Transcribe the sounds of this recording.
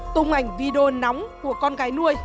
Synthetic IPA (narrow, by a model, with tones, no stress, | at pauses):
t̪ʊ˧ŋ͡mʔa˨˩jŋ̟vi˧ɗo˧na˨˦wŋ͡mku˧˩əkɔ˧nɣaː˨˦jnu˧əj